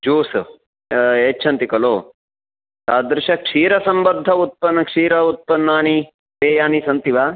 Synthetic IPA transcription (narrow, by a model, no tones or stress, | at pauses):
d͡ʒuːs | eːt͡ʃʰɐnt̪ikɐloː | saːd̪ɾɪʃɐkʂiːɾɐsɐmbɐd̪ʱːɐut̪̚pɐnːɐkʂiːɾɐut̪̚pɐnːaːni | beːjaːnisɐnt̪iʋaː